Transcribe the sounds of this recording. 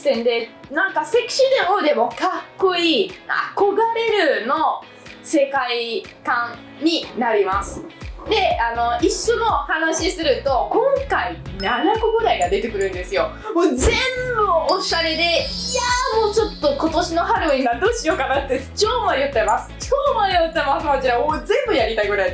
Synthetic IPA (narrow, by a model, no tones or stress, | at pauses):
sẽnd̪e̞nãŋkaseki̥ɕid̪emod̪e̞mo̞kakːo̞iːa̰ko̞ɡaɾe̞ɾɯ̟no̞ | se̞kai | kãŋ | ɲ̟inaɾʲimasɨ̥d̪e̞ano̞iɕːo̞no̞hanaɕisɨɾɯ̟t̪o̞kõ̞ŋkainanakoɡɯ̟d̪aiɡad̪e̞t̪e̞kɯ̟ɾɯ̟̃nd̪e̞sɨjo̞ | moːd͡zẽ̞mbɯoɕaɾe̞d̪e̞jamo̞ːt͡ɕo̞t̪ːo̞ko̞t̪o̞ɕino̞ɦaɾɯĩɡad̪oːɕijoːkanat̪ːet͡ɕoːmaɾʲijot̪t͡ɕːamasɨ̥t͡ɕoːmaɾʲijot͡ɕːamasɨkot͡ɕiɾaoːzẽ̞mbɯ̟jaɾʲit̪aiɡɯ̟ɾai